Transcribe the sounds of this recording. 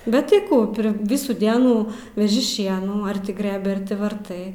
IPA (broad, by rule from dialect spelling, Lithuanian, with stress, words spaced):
bʲɛt tɐɪ ˈkuː ˈpʲrʲɪ ˈʋʲɪsuː ˈdʲiɛnuː ʋʲɛˈʒʲɪ ˈʃʲiɛnuː ɐr ˈtʲɪ ˈɡrɘbʲɪ ˈɐr tʲɪ ʋɐrˈtɐɪ